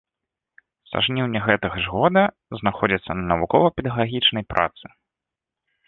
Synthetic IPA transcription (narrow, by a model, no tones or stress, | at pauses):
sa̰ʐnʲiwnʲɐɣɛt̪ɐɣɐʐɣɔd̪ɐ | znaxɔd͡zʲit̪sːɐnɐnɐvukɔvɐpʲɛd̪ɐɣɣaɣʲit͡ʂnɐjpɾʔa̰t̪sɨ